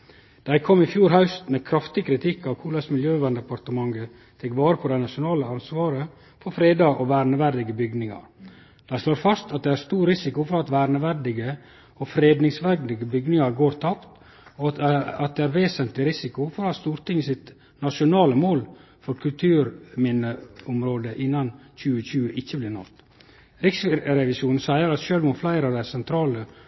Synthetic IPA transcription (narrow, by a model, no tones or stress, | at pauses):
d̪̥æɪkʰɔmːɪfjuːɾɦɑʉst̪mɛkʰɾɑft̪ɪkʰɾɪt̪ʰɪkːɑʋkʰuːlɑsmɪljøːʋɑnd̪ɛpɑɾt̪əmɑŋɡə | t̪ʰɛkʋɑːɾəpʰɔd̪æɪnɑʂʊnɑːləɑnsʋɑːɾə | fɔɾfɾeːd̪ɑʔɔʋæːɾnəʋæɾɖ̪ɪɡəbʏɡnɪŋɑ̰ɾ | d̪̥æɪsloːɾfɑst̪ɑt̪̚d̪ɛæɾst̪uːɾɾɪsɪkʊfɔɾɑt̪ʋæːɾnəʋæɾɖɪɡə | ɔfɾeːd̪nɪŋsʋæɡd̪ɪɡəbʏɡnɪŋɑɾɡoːɾt̪ʰɑpt̪ | ɑt̪̚d̪ɛæːɾʋeːsənt̪lɪɾɪsɪkʊfɔɾɑst̪uːɾt̪ɪŋːəsɪt̪ | nɑʂʊnɑːləmoːl | fɔɾkʰʉlt̪ʰʉːɾmɪnəʊmɾoːd̪əʔɪnːɑnc͡çʉːəçʉːəʔɪçəblɪɾɳɑ̰t̪ | ɾɪksɾɛʋɪsuːnn̩sæɪəɾɑt̪ʃøːlʋʊmflæɪɾəɑʋd̪æɪsɛnt̪ʰɾɑːlə